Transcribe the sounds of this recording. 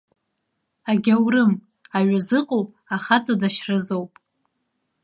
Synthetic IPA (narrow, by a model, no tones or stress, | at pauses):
aɡʲawrɨm | aɥazɨqʼow | aχat͡sʼadaʃrɨzowpʼ